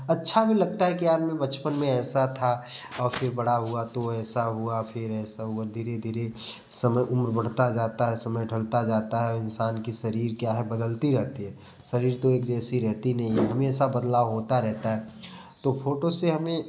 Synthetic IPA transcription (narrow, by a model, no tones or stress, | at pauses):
ɐtːʃʰabʱilɐɡ̚t̪aɦɛkiaːɾmẽbɐt͡ʃpənmẽɛːsat̪ʰaɔːɾfʰɪɾbɐɽaɦʊat̪oɛːsaɦʊafʰɪɾɛːsaɦʊaɾd̪ʱiːɾed̪ʱiːɾe | sɐməjʔʊmɾbəɽ̤t̪ad͡ʒaːt̪aɦɛsɐməjɖʱəlt̪ad͡ʒaːt̪aɦɛɔɾɪnsaːnkisɐɾiːɾkjaːɦɛbəd̪əlt̪iɾɛɦt̪iɦɛː | sɐɾiːɾt̪oeːkd͡ʒɛːsiɾɛɦt̪inɐɦĩɦɐmeːsabɐd̪laːʋɦoːt̪aɾɛɦt̪aɦɛ | t̪ofʰoːʈoseɦɐmẽ